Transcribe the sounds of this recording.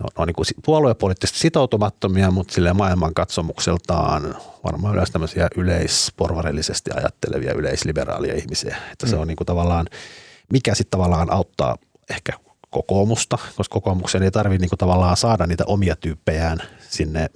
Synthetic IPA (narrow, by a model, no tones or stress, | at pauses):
no̰neo̰niːŋkusipuɑlueppːolit̪ːist̪sit̪out̪umɑt̪ːomiɑmut̪silːemɑilmɑŋkɑt̪somukselt̪ɑ̰ːnʋɑ̰rmɑːy̰løst̪æmːøsiɑʔyleisporʋɑrḭlːisest̪iɑ̰jɑ̰t̪ːelḛʋḭɑ̰ʔylḛislibḛrɑ̰ːliɑ̰ihmisḭæe̥t̪ːæseonniːŋkut̪ɑʋɑlːɑːnmikæsit̪t̪ɑʋɑlːˑɑːnʔɑut̪ːɑ̰ː | ehkæ | kokoːmust̪ɑkoskokoːmukseneit̪ɑrʋinniːŋkut̪ɑʋɑlːɑːsɑːdɑnniːt̪æ̰ʔomiɑt̪yːpːejæːnsinːe